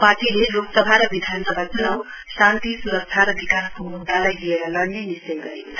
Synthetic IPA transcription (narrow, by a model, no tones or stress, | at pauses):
paʈileloksʌbʱaɾʌbid̪ʱansʌbʱakʰaw̃ | sant̪isuɾʌk̚t̪ʰaɾʌbikaskomud̪ʱːalajlieɾʌlʌnːenist͡sʌjɡʌɾikʰa